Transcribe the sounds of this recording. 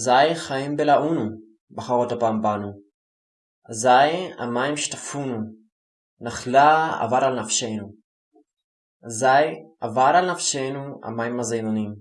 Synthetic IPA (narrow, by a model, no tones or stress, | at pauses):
zajχaimbelaʔunu | baχaʁotapaːmbanu | azaja̰majmʃtafunu | naχlaa̰vaɾalnafʃenu | azajavaɾalnafʃejnua̰majimazejnonim